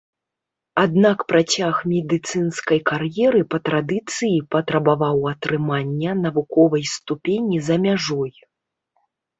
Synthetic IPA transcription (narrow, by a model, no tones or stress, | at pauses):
ad̪nakpɾʔat͡sʲaxmʲɛd̪ɨt̪sɨnskɐjkarjɛɾɨpɐt̪ɾad̪ɨt̪sɨjipɐt̪ɾɐbavawɐt̪ɾɨmanʲːɐnɐvukɔvɐjst̪upʲenʲizɐmʲaʐɔj